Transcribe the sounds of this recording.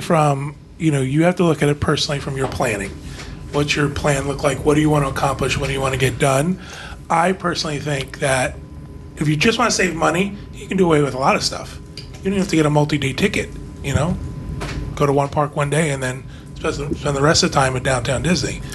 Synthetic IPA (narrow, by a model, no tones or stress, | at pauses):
fɹʌ̃m | jɨñoʊjɨhæftəlʊkɨɾɨt̚pʰɜ˞snl̩ˠifɹʌ̃mjə˞pʰl̥æ̃nɪ̰̃ŋwʌt͡ʃə˞pʰl̥æ̃nlʊklaɪkwʌd̥ɨjɨwɑ̃ɾ̃əəkʰɑ̃mplɨʃwʌdɨjɨwɑ̃nɨɡɛt̚d̥ʌ̃n | ʔaɪpʰɜ˞snl̩ˠiθɪ̃ŋk̚ðɨɾ | ɨfjɨd͡ʒʌst̚wɑ̃ñɨseɪvmʌni | jɨkɨ̃n̩dɨəweɪwɨðəlɔɾʌv̥stʰʌ̰f | jɨdõnhæftɨɡɛɾəmʌlˠtideɪtʰɪkɨt̚ | jɨnoʊ | ɡ̥oʊɾəwʌ̃npʰɑɹkwʌ̃ndeɪɨ̃nðɨ̃n | spɛspɛ̃nðɨɹɛstʌv̥tʰãɪ̃mɨ̃ndãʊ̃ntʰãʊ̃ndɪzni